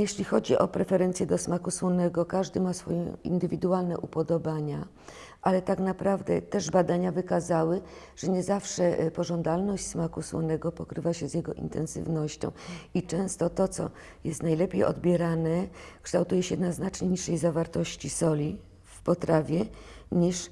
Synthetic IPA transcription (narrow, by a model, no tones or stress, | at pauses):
jɛɕlʲixɔd͡ʑiʔɔ̰pɾɛfɛɾɛnt̪sʲjɛd̪ɔsmakuswɔnɛɡɔkaʐd̪ɘmasfɔjɛḭnd̪ɘvʲid̪ualnɛ̰ʔupɔd̪ɔbaɲa | ʔalɛt̪aknapɾavd̪ɛ̰t̪ɛʐbad̪aɲavɘkazawɘ | ʐ̥ɛɲɛzafʂɛpɔʐɔnd̪alnɔɕt͡ɕʲsmakuswɔ̰nɛɡɔpɔkɾɘvaɕɛzjɛɡɔʔḭnt̪ʰɛ̰nsɘ̰vnɔɕt͡ɕɔ̰̃w̃it͡ʂɛ̃w̃st̪ɔt̪ɔt̪sɔ̰ | jɛst̪najlɛpʲejɔ̰d̪̚bʲjɛɾanɛkʂt̪awt̪ujɛɕɛd̪naznat͡ʂɲɛɲiʂːɛjzavaɾt̪ɔɕt͡ɕisɔlʲi | fpɔt̪ɾavʲjɛ | ɲiʂ